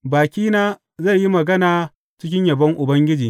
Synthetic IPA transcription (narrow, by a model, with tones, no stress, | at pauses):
baː˨kʲiː˦naː˦ | zɐ˦˨jji˦mɐ˨ɡɐ˦naː˨ | t͡ʃɪ˦kʲɪ˦ɲjɐ˨bɐ˦ŋʔʊ˨bɐ˦ŋɡʲɪ˦d͡ʒiː˨